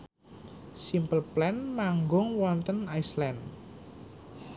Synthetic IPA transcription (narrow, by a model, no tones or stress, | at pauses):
simpəlplɛnmaŋɡʊŋwɔnt̪ənajslɛn